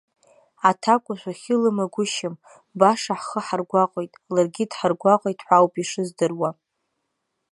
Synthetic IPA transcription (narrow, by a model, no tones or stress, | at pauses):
atʰakʷʼʊʃʷᶣaχʲɪlɨmaɡʷʊʃɪm | baʂaħχəħarɡʷaqʼojtʼlarɡʲɪdħarɡʷaqʼojtʼħʷawpʼiʂɨzdɨrwa